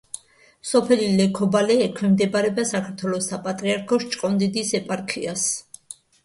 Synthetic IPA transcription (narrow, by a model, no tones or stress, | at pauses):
sɔpʰɛlilɛkʰɔbalɛːkʰwɛmd̪ɛbaɾɛbasakʰaɾt̪ʰwɛlˠɔsapʼat̪ʼɾiaɾkʰɔʃt͡ʃʼkʼɔnd̪id̪isɛpʼaɾkʰias